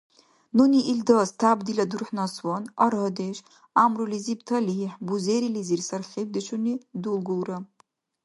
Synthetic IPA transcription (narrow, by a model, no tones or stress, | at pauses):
nuniʔildastʰabdiladurħnaswanaɾɦədeʃ | amrulizibtʰaliħbuzeɾilizirsarχʲeb̚dɨt͡ʃʰunidulɡulra